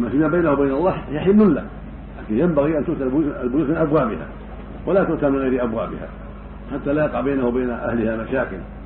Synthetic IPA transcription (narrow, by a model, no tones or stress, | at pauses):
mafimːabajnahuwbajnɑlˤːɑːjaħɪmʊlːa̰ | laːkɪnjambaɣiʔant̪ʊʔt̪aalbʊluːsmɪnʔabwaːʔbɪha̰ | walat̪ʊʔt̪amɪnɣajɾiʔabwaːʔbɪ̰ha̰ | ħat̪ːalaːjɑqɑʕbajnahwabajnaʔa̰hlɪhamaʃaːkɪ̰l